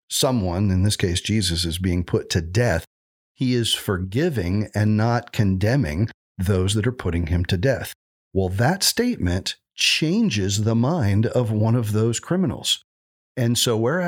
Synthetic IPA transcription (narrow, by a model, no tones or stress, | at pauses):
sʌ̃mwʌ̃nɨ̃nðɪskʰeɪsd̥ʒ̥izɨsɨzbiɪ̃ŋpʰʊtʰɨdɛθ | hiɪz̥fə˞ɡɪvɪ̃ŋɨ̃nːət̚kʰɨ̃ndɛ̃mɪ̰̃ŋ | ðoʊzðɨɾə˞pʰʊɾɪ̃ŋɨ̃mtʰɨdɛθ | waɪlˠðɨtsteɪt̚mɨ̃n | t͡ʃʰẽɪ̃nd͡ʒɪzðəmãɪ̃ndʌvwʌ̃nʌvðoʊz̥kʰɹ̥ɪ̃mənl̩ˠz̥ | ɨ̃nsoʊwə˞